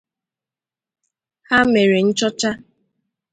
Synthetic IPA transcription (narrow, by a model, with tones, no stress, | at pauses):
ha˦me˨ɾe˨n̩˦t͡ʃɔ˦t͡ʃa˦